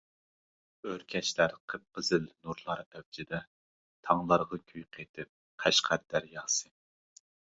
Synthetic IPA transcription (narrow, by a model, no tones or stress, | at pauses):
øɾkʲʰɛt͡ʃlæɾqʰəp̚qəzɪlnuɾlˠɑɾɛwd͡ʒʰɪd̪ɛ | t̪ʰɑŋlˠɑɾʁɑkʲʰyjqʰet̪ʰɪp̚ | qʰæʃqʰæɾd̪æɾjɑːsɨ